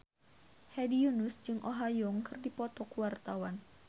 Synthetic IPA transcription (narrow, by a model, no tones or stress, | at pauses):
hɛdiunusd͡ʒɨŋʔoɦajɔŋkɨrdipɔt̪ɔkuwart̪awan